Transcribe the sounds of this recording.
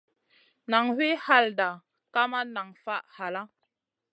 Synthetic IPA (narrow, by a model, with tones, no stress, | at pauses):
na˨ŋhe˦ha˦˨lda˨ | ka˦ma˦na˨ŋfa˦ʔha˨la˦